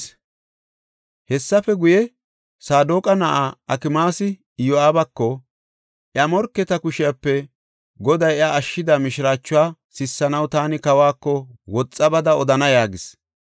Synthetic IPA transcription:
hɛsːɐfɛɡʊjɛ | saːd̪oːkʼɐnɐʔaːɐkɪmaːsɪ | jɔaːbɐkːɔ | ʔjɐmɔɾkːɛt̪ɐkʊʃɪjɐpːɛ | ɡɔd̪ɐjaʔɐʃːɪd̪amɪʃɪɾaːt͡ʃːʊwaːsɪsːɐnɐwt̪aːnɪkɐwaːkːɔwɔt͡sʼːɐbɐd̪ɐɔd̪ɐnɐjaːɡɪs

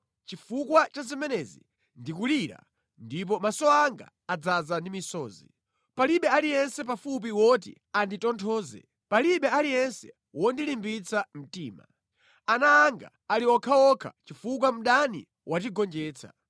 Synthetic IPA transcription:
t͡ʃifukwat͡ʃazimɛnɛzḭ | ndikuliɾa̰ | ndip̬ɔmasɔaŋɡa̰ːd͡zazandimisɔːzḭ | paliɓɛalijɛnsɛp̬afup̬iwɔt̬ḭ | anditɔntʰɔːzɛ̰ | paliɓɛalijɛnsɛ̰ | wɔndilimbit͡sʰam̩tiːma̰ | anaːŋɡa̰ːliwɔkʰaɔkʰa̰t͡ʃifuk̬wam̩ɗanḭ | wʔat͡ʃiɡɔnd͡ʒɛːt͡sʰa̰

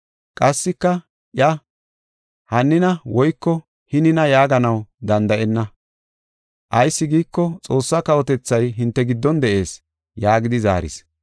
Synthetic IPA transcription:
kʼɐsːɪkːɐ | ʔjɐ | hɐnːɪnɐwɔjkːɔ | hɪnɪnɐjaːɡɐnɐwd̪ɐnd̪ɐʔɛnːɐ | ʔɐjsːɪɡiːkːɔt͡sʼo̞ːsːɐkɐwɔt̪ɛt͡sːɐjɦɪnt̪ːɛɡɪd̪ːɔnd̪ɛʔe̞ːs | jaːɡɪd̪ɪza̰ːɾɪ̰s

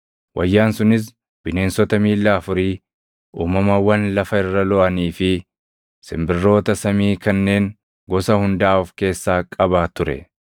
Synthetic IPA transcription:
wʔɐjːaːnsʊnɪs̬ | b̥ɪne̞ːnsɔt̪ɐmiːlːaɐfʊɾiː | ʔuːmɐmɐwɐnlɐfɐɪrːɐlɔʔɐniːfɪ | sɪmbɪrːo̞ːt̪ɐsɐmiːkɐnːe̞ːŋ | ɡɔsɐhʊnd̪aːʊfke̞ːsːaːkʼɐbaːt̪ʊɾɛ̰

